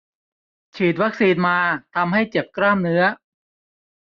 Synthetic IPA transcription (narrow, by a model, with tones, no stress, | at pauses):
t͡ɕʰiː˨˩t̪̬̚wa˦˥k̚siː˧nmaː˧t̪ʰa˧mha˥˩jt͡ɕe˨˩p̚kɾaː˥˩mnɯ˦˥ɐ